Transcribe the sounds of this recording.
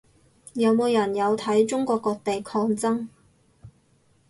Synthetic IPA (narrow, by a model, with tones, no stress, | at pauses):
jɐ˨˧wmo˨˧wjɐ˨˩njɐ˨˧wt̪ʰɐ˨˥jt͡ʃʊ˥ŋkʷɔː˧kːɔː˧k̚t̪e˨jkʰɔː˧ŋt͡sɐ˥ŋ